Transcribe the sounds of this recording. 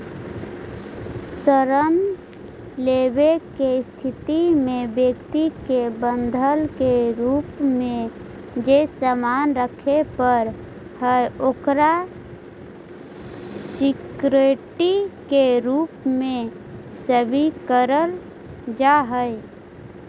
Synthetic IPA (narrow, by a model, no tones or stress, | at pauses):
səɾən | lebekest̪ʰit̪imebjəkt̪ikebənd̪ʱəlkeɾupmẽ | d͡ʒesəmanɾəkʰepəɾ | həjokɾa | sikɾeʈikeɾupme | səbʱikəɾəl | d͡ʒaɦəj